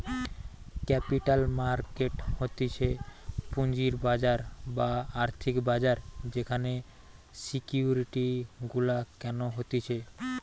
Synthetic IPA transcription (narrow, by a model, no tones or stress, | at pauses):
kɛpiʈalmaɾkeʈhot̪it͡ɕʰepund͡ʑiɾbad͡ʑaɾbaaɾt̪ʰikbad͡ʑaɾd͡ʑekʰane | sikjiuɾiʈiɡulakɛnoɦot̪it͡ɕʰe